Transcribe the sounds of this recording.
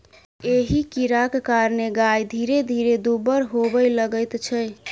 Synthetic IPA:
eɦikiɾakkaɾneɡajd̪ʱiɾed̪ʱiɾed̪ubəɾɦobəjləɡəjt̪t͡ʃʰə

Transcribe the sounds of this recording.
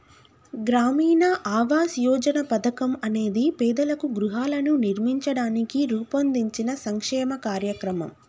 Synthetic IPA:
ɡɾaːmiːnɐʔaːʋaːsjɔːd͡ʒɐnɐpɐd̪ɐkɐmɐne̞ːd̪ipɛːd̪ɐlɐkuɡɾuɦaːlɐnuniɾmiɲt͡ʃɐɽaːnikiɾuːpɐnd̪iɲt͡ʃinɐsɐŋkʂɛːmɐkaːɾjɐkɾɐmɐ̰m

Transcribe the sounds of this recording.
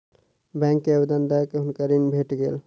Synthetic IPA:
bɛ̃ŋkːeəbed̪ənd̪akeɦʊnkəɾinbʱeʈɡeːl

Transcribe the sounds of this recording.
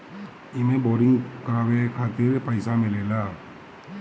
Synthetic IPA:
ɪmẽboːɾɪ̃ŋɡkɾaːʋekʰaːt̪ɪɾpəɪsamɪleːlaː

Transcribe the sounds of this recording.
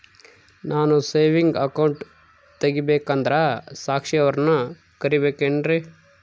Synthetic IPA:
nʔaːnuseːʋiŋɡɐkɐwɳʈ | t̪ɐɡibeːkɐnd̪ɾɐsaːkʂiɐʋɐɾɐnu | kɐɾibeːkeːɳɾe

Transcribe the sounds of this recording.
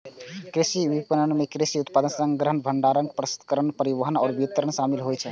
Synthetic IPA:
kɾisibipənənmekɾisiut̪̚pad̪ənsəŋɡɾəɦənbʱəɳɖaɾəŋɡpɾəsi̥d̪kəɾənpəɾiʋəɦənɔːɾbiət̪ːəɾəɳsamilɦojt͡ʃʰɛ̰

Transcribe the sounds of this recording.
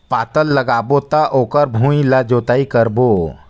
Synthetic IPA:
pat̪əlːəɡabot̪aʔokəɾbʱũilad͡ʒot̪aikəɾbo

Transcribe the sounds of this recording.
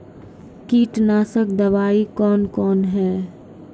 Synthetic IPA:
kiːʈnaːsək̚d̪ɐʋaːikɔːnkɔːnɦɛː

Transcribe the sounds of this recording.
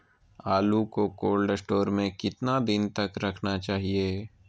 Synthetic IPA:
aːlukokoːlɖesʈoːɾmẽkɪt̪nad̪ɪnt̪ɐkɾɐkʰnat͡ʃaːɦieː

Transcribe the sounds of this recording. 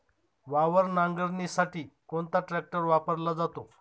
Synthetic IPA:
ʋaʋəɾnaŋɡəɾnisaʈiːkoɳt̪aʈɾɛk̚ʈəɾʋapəɾlad͡zat̪o

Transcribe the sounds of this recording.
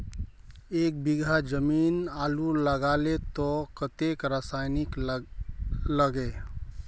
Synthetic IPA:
ek̚biɡʱad͡ʒəminaluləɡalet̪ɔkət̪ekɾasajnik | ləɡe

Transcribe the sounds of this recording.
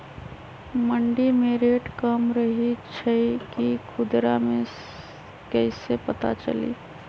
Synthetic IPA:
məɳɖimeɾeʈkəmɾəɦit͡ʃʰəkikʰʊd̪ɾamẽ | kɛɪsepət̪a̰t͡ʃə̰lḭ

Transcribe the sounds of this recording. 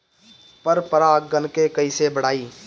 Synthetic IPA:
pəɾpəɾaɡənkekɐisebəɽ̤aːiː

